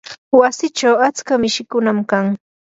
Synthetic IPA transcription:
wasɪt͡ʃawat͡skamɪʃɪkʊnamkaŋ

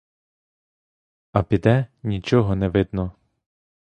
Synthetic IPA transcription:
ɐpʲid̪ɛnʲit͡ʃɔɦɔnɛʋɪd̪nɔ

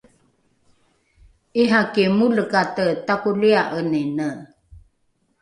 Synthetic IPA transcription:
iɦakemuləkatətakuliaʔəninə

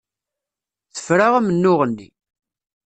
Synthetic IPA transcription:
θə̥fɾaʁamənːʊʁənːḭ

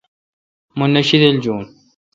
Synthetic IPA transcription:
mʊnːaʃɪd̪ald͡ʒuːn

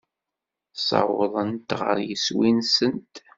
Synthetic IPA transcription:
sˤɑ̰wʊðˤənt̪ʁə̰ɾjəswinsənt̪

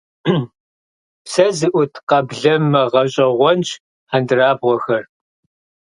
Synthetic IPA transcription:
psɐzɨʔʷʊtʰqɐbɮɐmːɐʁɐɕʼɐʁʷɔnt͡ʃ | ħandɨraːbʁʷɔxɐr

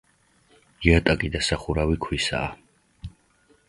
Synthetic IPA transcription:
iat̪ʼakʼid̪asaχuɾawikʰwisa̰ː

